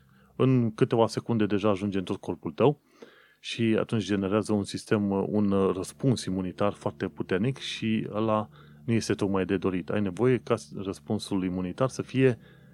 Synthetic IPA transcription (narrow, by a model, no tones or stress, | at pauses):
ɨŋkɨt̪e̞vase̞kund̪e̞d̪e̞ʒaːʒund͡ʒeɨnt̪o̞t̪̚kʰo̞rpult̪əw | ʃia̰t̪unt͡ʃʲd͡ʒe̞ne̞ɾeazəunsist̪e̞mṵnrəspunsimunit̪arfoart̪e̞put̪e̞rnikʃiə̰la | nuje̞st̪e̞t̪o̞k̪majd̪e̞d̪o̞ɾit̪a̰jne̞vo̞je̞karəspunsulimunit̪arsəfije̞